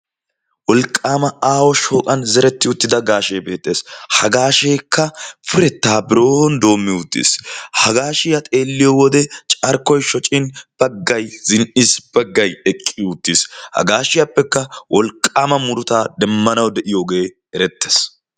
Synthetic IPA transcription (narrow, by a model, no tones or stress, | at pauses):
wɔlkʼːaːmɐaːwɔʃo̞ːkʼɐnzɛɾɛt̪ːɪʊt̪ːɪd̪ɐɡaːʃeːbe̞ːt̪ʼːe̞ːshɐɡaːʃeːkːɐfɪɾɛt̪ːaːbɪɾo̞ːhɔnd̪o̞ːmːɪʊt̪ːḭshɐɡaːʃɪjɐt̪ʼe̞ːlːɪjɔwɔd̪ɛt͡ʃʼɐɾkːɔjʃɔt͡ʃʼːɪnb̥ɐɡːɐjz̥ɪnʔɪsb̥ɐɡːɐjɛkʼːɪʊt̪ːishɐ̰ɡaːʃɪjapːɛkːɐwʔɔlkʼːaːmɐmʊɾʊt̪aːd̪ɛmːɐnɐwd̪ɛʔɪjo̞ːɡe̞ː | ɛɾɛt̪ːe̥ːs